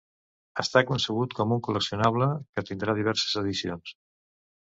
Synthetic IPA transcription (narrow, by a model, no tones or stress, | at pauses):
əst̪akunsəɣ̞ut̪kɔmuŋkuləksiunaβ̞ləkət̪ind̪ɾað̞iβ̞ɛɾsə̥zəðisions